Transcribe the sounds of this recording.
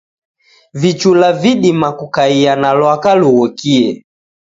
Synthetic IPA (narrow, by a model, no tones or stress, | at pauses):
vit͡ʃulaviɗimakukaianalwakaluɣɔkiɛ